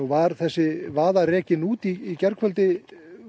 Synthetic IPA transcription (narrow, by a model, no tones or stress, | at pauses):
uvaɾθɛsːɪvaːðarɛːcɪnuːt̪iːcɛɾkfœlt̪ɪ